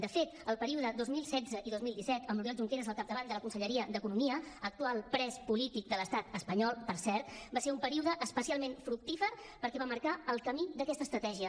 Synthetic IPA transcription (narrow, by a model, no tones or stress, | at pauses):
d̪əfet̪əlˠpəɾiuðəd̪ozmilˠsɛd͡zəʔiðozmilˠd̪isɛt̪əmujɛlˠʒuŋkeɾəzəlˠkap̚d̪əβand̪ələkunsəʎəɾiəd̪əkunumiəək̚t̪ualˠpɾɛspulit̪ik̚d̪ələst̪at̪əspəɲɔlˠpəɾsɛɾt̪baseɾumpəɾiuðəʔəspəsialˠmenfɾuk̚t̪ifəɾ | pəɾkɛβaməɾkaəlˠkəmid̪əkɛst̪əst̪ɾət̪ɛʒiə